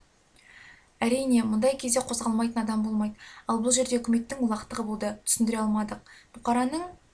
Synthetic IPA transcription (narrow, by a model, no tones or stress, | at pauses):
æɾijne̞mʊnd̪ɑjkʲʰezd̪e̞qʰo̞zʁɑlˠmɑjt̪ənɑd̪ɑmbo̞lˠmɑjd̪əɑlˠbʊlˠʒe̞ɾd̪eɵkʲɪme̞t̪ːɪŋʊlˠɑqt̪əʁəbolˠd̪ət̪ʰʏ̥sɪnd̪ɪɾeɑlˠmɑd̪əq̚b̥ʊqʰɑɾɑnəɴ